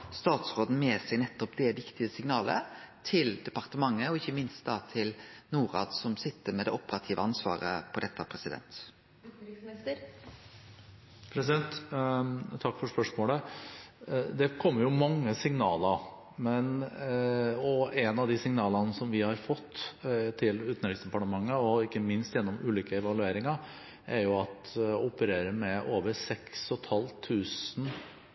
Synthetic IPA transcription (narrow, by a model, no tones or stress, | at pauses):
st̪ɑːt̪sʁoːd̪n̩meːsɛɡnɛt̪ːɔpd̪ɛʋɪkt̪ɪəsɪŋnɑːlə̰t̪ʰɪld̪ɛpɑɾt̪əmɑŋːəɔɪçːəmɪnst̪̚d̪ɑːt̪ʰɪlnuːɾɑ̰ːd̪sɔmsɪt̪ːəɾmɛd̪ɛʔɔpːəɾɑt̪ʰiːʋəɑnsʋɑ̰ːɾə̰pʰɔd̪ɛt̪ːəpʰɾɛsɪd̪ɛ̰nt̪ | pʰɾɛs̬ɪd̪ɛnt̪ | t̪ʰɑkːfɔʂpœʂmoːlə | d̪ɛkʰɔmːəɾjʊmɑŋːəsɪŋnɑːlə | mɛn | ɔɛnɑʋd̪ɪsɪŋnɑːlɑnəsɔmʋɪhɑɾfɔt̪ːt̪ʰɪlʉːt̪n̩ɾɪksd̪ɛpɑʈəmɑŋːəɔɪkːəmɪnst̪jɛnːɔmʉːliːkəɛʋɑlʉeːɾɪŋɑ | ʔɛɾjʊɑt̪ʊpəɾeːɾəɾmɛʔoːʋəɾsɛksɔt̪ʰɑlt̪ʰʉːsn̩